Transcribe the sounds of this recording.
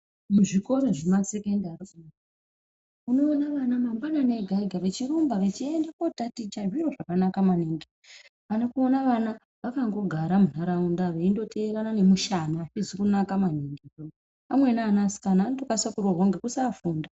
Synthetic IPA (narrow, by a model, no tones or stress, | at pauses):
muʐiko̞ɾo̞ʐemasekendaroku | uno̞ːnaʋanamambanane̞ɡʱaiɡʱaʋe̞t͡ʃiɾumbaʋe̞t͡ʃie̞ndakotatit͡ʃaʐiro̞ʐakanakamaniŋɡe | anokuonaʋana | ʋakaŋɡo̞ɡʱaɾamunaɾaundaʋeindo̞tʰe̞eɾanane̞muʃanaafizikunakamaniŋɡeo | amwe̞naːnasi̥kanaːnotokasakuroɦoŋɡekusafuːnda